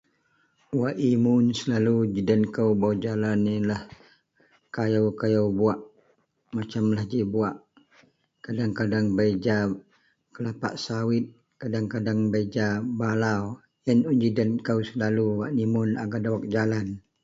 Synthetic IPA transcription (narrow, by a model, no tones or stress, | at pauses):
waʔimʊnsəlalud͡ʒidənkəwbawd͡ʒalanilah | kajawkajawbuaʔ | mat͡ʃamlahd͡ʒibuaʔ | kadaŋkadaŋbaid͡ʒa | kəlapa̰ʔsawɪt̪̚ | kadaŋkadaŋbaid͡ʒabalaw | ənund͡ʒidənkəwsəlaluwaʔnimʊnaɡadawak̚d͡ʒalan